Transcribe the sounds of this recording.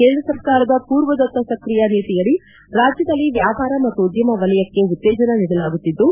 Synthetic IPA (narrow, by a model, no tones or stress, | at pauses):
keːnd̪ɾɐsɐɾkaːɾɐd̪ɐpuːɾʋɐd̪ɐt̪ːɐsɐkɾijɐniːt̪ijɐɭi | ɾaːd͡ʒjɐd̪ɐlːiʋjaːpaːɾɐmɐt̪ːud̪jɐmɐʋɐlɐjɐkːe̞ut̪ːɛːd͡ʒɐnɐniɽɐlaːɡut̪ːid̪ːu